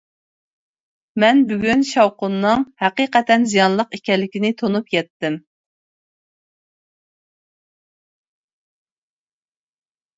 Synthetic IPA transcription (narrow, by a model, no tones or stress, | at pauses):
mɛnbyɡʲynʃɑwqʊnːɨŋhɛqiqɛt̪ʰɛnzijɑnlˠəqikʲɛlːɪkʲinɪt̪ʰonupjɛt̪ːɪm